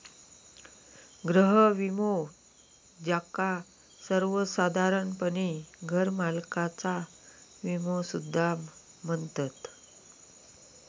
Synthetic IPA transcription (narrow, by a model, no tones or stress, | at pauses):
ɡɾəɦəʋimo | d͡ʑaka | səɾʋəsad̪ʱaɾənpəɳiɡʱəɾmalkat͡sa | ʋimosud̪ʱːamː | ənt̪ət̪